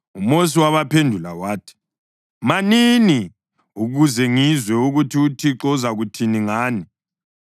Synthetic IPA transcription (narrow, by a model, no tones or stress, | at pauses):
umos̬iwaβapʰendʱula̰waːtʰi̥ | manini | uɣuzɛŋizwɛuɣutʰiutʰiǁɔzaɣutʰiniŋaːni